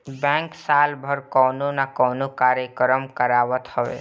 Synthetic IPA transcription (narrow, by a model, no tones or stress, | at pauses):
bɛ̃ːŋksaːlbʱəɾkɔːnonakɔːnokaːɾjəkəɾəmkəɾaːʋət̪həʋḛ